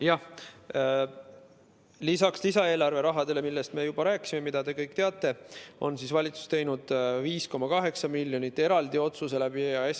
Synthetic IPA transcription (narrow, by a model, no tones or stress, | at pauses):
jɑh | lisɑkslisɑe̞ːlɑrve̞ɾɑɦɑd̪̥e̞le̞milːe̞st̪me̞jub̥ɑɾæːkːˑi̥sime̞mid̪̥ɑd̪e̞kɤjkˑt̪eɑt̪ˑːe̞o̞̰nsisvɑlʲit̪su̥st̪e̞jnud̪̥viːsko̞mɑkɑɦe̞ksɑmilʲjo̞nit̪ːˑe̞ɾɑld̪io̞t̪suse̞læb̥iɑe